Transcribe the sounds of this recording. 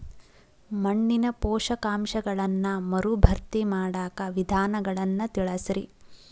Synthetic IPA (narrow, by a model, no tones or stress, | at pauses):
mɐɳːinɐpɔːʂɐkaːmʃɐɡɐɭɐnːɐmɐɾubʱɐɾt̪imaːɽaːkɐʋid̪ʱaːnɐɡɐɭɐnːɐt̪iɭɐsɾi